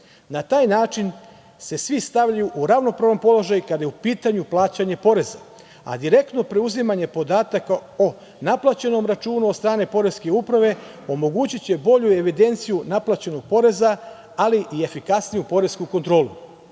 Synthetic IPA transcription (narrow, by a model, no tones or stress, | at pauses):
nat̪aːjnaːt͡ʃin | se̞sʋist̪aʋʎajuʔuɾaʋno̞pɾaːʋno̞mpo̞lo̞ʒajukad̪ajeupiːt̪aɲuplˠaːt͡ɕaɲe̞po̞ɾe̞za | a̰d̪iɾe̞k̚t̪no̞pɾe̞uzimaɲe̞po̞d̪aːt̪akao | naplˠat͡ɕe̞no̞mɾat͡ʃuːnud̪st̪ɾaːne̞po̞ɾe̞ske̞upɾaʋe̞ | o̞mo̞ɡuːt͡ɕit͡ɕe̞bo̞ʎue̞ʋid̪e̞nt̪sijunaplat͡ɕe̞no̞ɡ̥̚po̞ɾe̞za | aliʔie̞fikasnijupo̞ɾe̞skuko̞nt̪ɾo̞ːlu